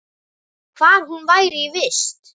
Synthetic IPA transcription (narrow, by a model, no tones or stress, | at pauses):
kʰvaɾ̥hunvajɾɪivɪst̪